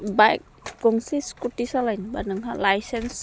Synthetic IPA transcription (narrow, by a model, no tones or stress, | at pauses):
bajk̚kuŋsiskut̪isalainbanəŋɦalajsɛns